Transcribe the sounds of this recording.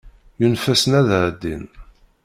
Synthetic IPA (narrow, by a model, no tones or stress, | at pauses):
junfæsnæðəʕd̪ːḭn